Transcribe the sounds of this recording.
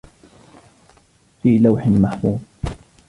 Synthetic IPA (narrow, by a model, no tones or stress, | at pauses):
fiːlawħɪnmaħmuːd